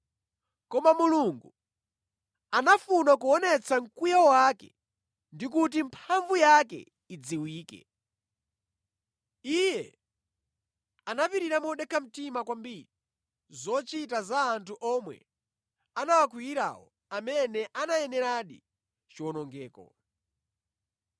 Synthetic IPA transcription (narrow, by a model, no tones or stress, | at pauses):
kɔmamuluŋɡu | anafunak̬uɔnɛt͡saŋ̩kujaɔwakɛ̰ | ndik̬ut̬impʰaɱvujakɛ̰ | id͡ziwiːkɛ̰ | ijɛ | anapiɾiɾamɔɗɛkʰam̩timakwambiɾi | zɔt͡ʃitazaːntʰuʔɔmwɛ̰ | anawakwijiɾa̰ːwɔ̰ | amɛnɛʔanajɛnɛɾaɗḭ | t͡ʃiwɔnɔŋɡɛːkɔ̰